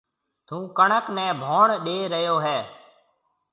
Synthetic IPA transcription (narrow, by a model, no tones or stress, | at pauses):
t̪ʰũːkəɳəknɛ̃ːbʱoːɳɗeːɾəjoːɦɛː